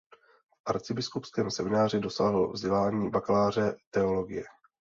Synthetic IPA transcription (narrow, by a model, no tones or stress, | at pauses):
fʔaɾt͡sɪbɪskupskɛːmsɛmɪnaːr̝ɪdo̞saːɦlovzɟɛlaːɲiːbaklaːr̝ɛt̪ɛolo̞ɡɪjɛ